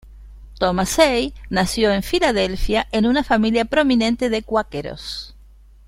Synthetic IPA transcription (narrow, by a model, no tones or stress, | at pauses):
t̪omasejnasjoe̞ɱfilaðelfjaʔenunafamiljapɾomĩnẽ̞nt̪eðekwakeɾo̰s